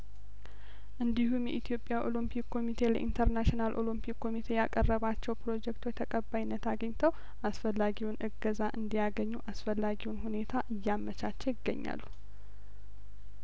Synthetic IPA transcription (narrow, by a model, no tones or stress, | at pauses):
ʔɨnd̪ihumjɛ̰ʔit̪ʰijo̞pʼjaʔo̞̰lɨmpʰikʰːo̞mit̪ʰe̞lə̰ʔḭnt̪ʰəɾnaʃinalʔo̞̰lɨmpʰikːo̞mit̪ʰe̞jakʼərːəβat͡ʃːɛwpɾo̞d͡ʒɛkt̪ʰwot͡ʃt̪ʰəkʼəbːajinːət̪aɡəɲt̪ʰəw | ʔasfəlːaɡiwunʔɨɡəzaʔɨnd̪ijaɡəɲːuʔasfəlːaɡiwunhune̞t̪ʰaʔɨjːamːət͡ʃat͡ʃːɛwjɪɡːə̰ɲːa̰lːu